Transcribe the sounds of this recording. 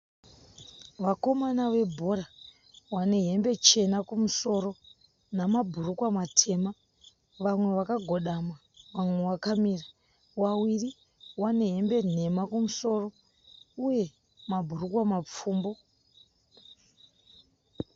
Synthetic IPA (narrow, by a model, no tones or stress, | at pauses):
ʋako̞manaʋe̞bʱo̞ɾa | wane̞ɦe̞mbe̞t͡ʃe̞nakumuso̞ro̞ | namabʱurukwamatʰe̞ma | ʋamwe̞ʋakaɡʱo̞ɗama | ʋamwe̞wakamira | wawiri | wane̞ɦe̞mbe̞ne̞makumuso̞ːro̞ | uje̞ | mabʱurukwamap͡fuːmbo̞